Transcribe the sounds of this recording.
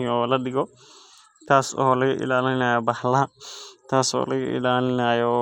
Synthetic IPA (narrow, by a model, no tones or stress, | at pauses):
ɔːlɐɗɪɣɔ | t̪ʰaːsɔ̰ɔlɐɣɐ̰ʔɪ̰laːlɪnɐːjɔbɐħlɐɦɐt̪ʰaːsɔ̰ːlɐɣɐ̰ʔɪ̰laːlɪnaːjɔ